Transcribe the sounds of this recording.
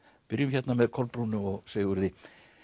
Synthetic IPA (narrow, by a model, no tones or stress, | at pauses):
pɪɾjʏmçɛt̪namɛðkʰɔɾpːɾuːnʏmɔɣsejɣʏɾðɪ